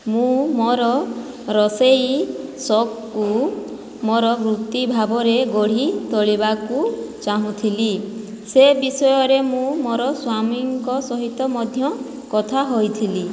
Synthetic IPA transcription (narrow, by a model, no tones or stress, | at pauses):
mũmoɾɔ | ɾɔsejsɔk | ku | moɾɔɡɾut̪ibʱabɔɾeɡɔɽ̤it̪ɔɭibakut͡ʃaɦũt̪ʰili | sebisɔjɔɾemũmoɾɔswamiŋkɔsɔɦit̪ɔmɔd̪ʱjɔ | kɔt̪ʰaɦojt̪ʰili